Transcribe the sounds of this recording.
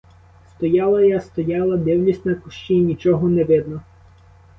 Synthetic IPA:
st̪ɔjɑlˠɐjɑst̪ɔjɑlˠɐd̪ɪwnʲisʲtʲnɐkʊʃt͡ʃinʲit͡ʃɔɦɔnɛʋɪd̪nɔ

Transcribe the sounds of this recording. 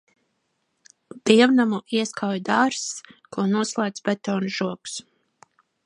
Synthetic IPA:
d̪̥iɛwnamuʔiɛskʰawjd̪aːɾskuɔnuɔslˠaːd̪sbɛt̪ɔːnuʒuɔks

